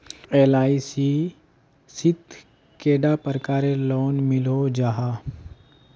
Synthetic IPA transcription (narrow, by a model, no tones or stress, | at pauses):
eːlaːisi | sɪd̪ʱ | keːɖapəɾkaːɾeloːnmɪlod͡ʒaɦaː